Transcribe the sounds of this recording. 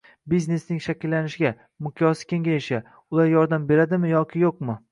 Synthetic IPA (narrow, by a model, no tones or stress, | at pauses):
bizne̞snɪŋʃakʲɪlːanɪʃɪɡʲa | mʊqʰjɒsɪ̥kʲʰe̞ŋɡʲajɪʃɪ | ʊlˠaɾjɒɾd̪ambe̞ɾad̪ɪmɪjɒkʲʰɪjoqmɪ